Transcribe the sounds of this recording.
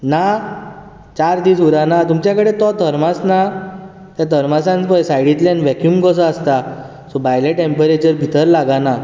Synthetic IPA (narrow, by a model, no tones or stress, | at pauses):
na | t͡ɕaɾd̪iːsuɾanat̪umt͡ɕjakəɽet̪ɔt̪əɾmasna | t̪jat̪ʰəɾmasãnt͡spəjsajɽit̪lẽnʋɛkjumkɔs̬əast̪a | sɔbajleʈẽmpəɾet͡ɕəɾbʱit̪əɾlaɡana